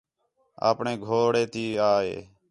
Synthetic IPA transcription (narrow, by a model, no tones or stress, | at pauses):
a̰ːpɳẽːɡʱoːɽeːt̪iːaːḛː